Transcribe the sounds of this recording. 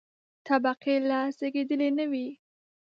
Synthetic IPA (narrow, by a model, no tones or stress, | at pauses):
t̪abaqelɑseɡed̪əlenəwi